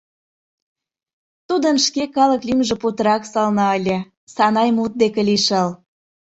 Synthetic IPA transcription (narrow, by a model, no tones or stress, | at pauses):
t̪ud̪ənʃkekɑləklʲymʒĕput̪əɾɑksɑlnɑəlʲĕ | sɑnɑjmut̪̚d̪ekeliʃəl